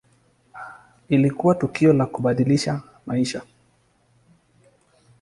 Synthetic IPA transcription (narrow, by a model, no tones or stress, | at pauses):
ilikuwatukiɔlakuɓaɗiliʃa | maiʃa